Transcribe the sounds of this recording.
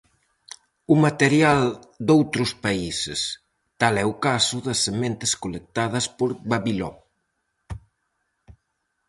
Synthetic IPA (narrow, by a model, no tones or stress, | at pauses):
umat̪eɾjal | d̪owt̪ɾʊspaisḛs | t̪alɛʊkasʊðɐsːemẽnt̪ɪskolek̚t̪að̞ɐspoɾβaβilɔ̰